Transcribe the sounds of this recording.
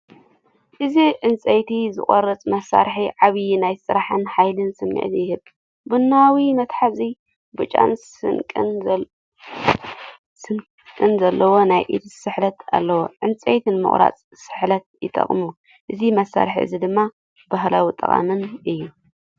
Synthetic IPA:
ʔɨziʕɨnt͡sʼɐjt̪ʰizɨ̰χʼoɾɐt͡sʼmɐsːa̰ɾħiʕaβjnajsɨɾaħɨnħajlɨnsɨmːḭʕt̪jɪhɨb | bɨnːawawimɐt̪ħazi | bɨt͡ʃʼa̰n | ɨkʼn | sɨn | kʼɨnzɐlːɐwo̞najʔḭt̪ʰsɨħlɐt̪ʰa̰lːɐwoʕɨnt͡sʼejt̪ʰinmɨ̰χʼɾa̰t͡sʼ | sɨħlɐt̪̚jɪt̪ʼɐ̰χʼmu | ʔɨzimɐsːa̰ɾħḭʔɨ̰zid̪ɨmːa | baɦlawit̪ʼɐ̰χʼa̰mɨnʔɨjːu

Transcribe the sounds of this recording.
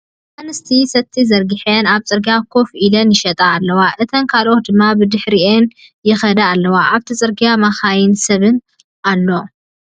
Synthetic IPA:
manɨst̪ʰisɐt̪ʰːizɐɾɡɨħenaβt͡sʼɨɾɡijakʰo̞filɐnjɪʃɐt̪ʼaːlːɐwaʔɨt̪ʰɐnkʰalʔo̞t̪̚d̪ɨmːabɨd̪ɨħɾienjɪxɐd̪ɐalːɐwaʔaβt̪ʰit͡sʼɨɾɡijamaxajɪnsɐβɨn | ʔalːo̞

